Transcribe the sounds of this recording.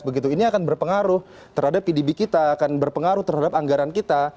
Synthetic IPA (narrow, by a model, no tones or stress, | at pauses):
bəɡit̪uiniakanbərpəŋaɾʊh | t̪əɾhadapːidibikit̪aːkanbərpəŋaɾʊht̪ərɦadapaŋɡaɾankit̪a